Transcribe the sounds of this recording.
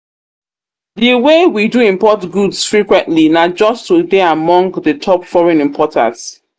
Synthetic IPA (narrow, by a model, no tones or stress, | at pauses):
ðəwewiduĩmpɔtɡudsfɹikwɛ̃ntlinad͡ʒɔstudeamɔ̃ŋɡðətʰɔpfɔɹɛ̃nĩmpʰɔtã̰ts